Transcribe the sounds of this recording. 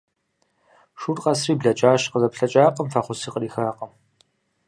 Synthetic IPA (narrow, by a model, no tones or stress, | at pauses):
ʂuːrqɐsriːbɮɐt͡ʃʼaːɕqəzɐpɬɐt͡ʃʼaːqʼəmfɐχʷʊsiːqəriːxaːqʼɐm